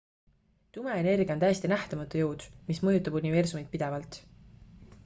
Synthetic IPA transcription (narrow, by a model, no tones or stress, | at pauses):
t̪umeene̞rɡijɑont̪æjest̪inæht̪ɑmɑt̪ːˑujuwd̪̥mismɤjut̪ˑːɑbunʲive̞rsumit̪̚pid̪̥e̞vɑlt̪ˑ